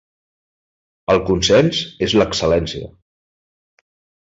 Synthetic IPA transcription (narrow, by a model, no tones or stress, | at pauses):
əlˠkunsɛnsezləksəlɛnsiə̰